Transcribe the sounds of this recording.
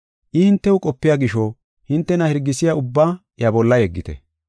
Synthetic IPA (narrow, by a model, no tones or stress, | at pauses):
ʔɪhɪnt̪ːɛʊkʼɔpːɪjaɡɪʃɔ | hɪnt̪ːɛnɐhɛɾɡːɪsɪjaʊbːaː | jɐbɔlːɐjɛɡːɪt̪ɛ̰